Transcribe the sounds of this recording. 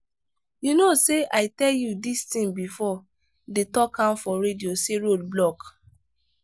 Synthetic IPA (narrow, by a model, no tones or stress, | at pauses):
junoseʔaɪtɛljudistĩmbifɔ | detɔkʰãmfɔɹedioseɹod̚blɔk